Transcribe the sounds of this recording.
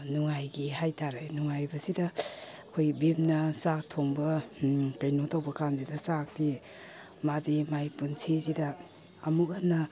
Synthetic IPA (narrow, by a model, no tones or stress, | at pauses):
nuŋajɡihajtʰaɾajnuŋajbɐsidɐ | kʰojbimnɐsak̚tʰoŋbɐkajnotawbɐkanzidɐsak̚ti | madimajpunsʰizidɐː | mukanːɐ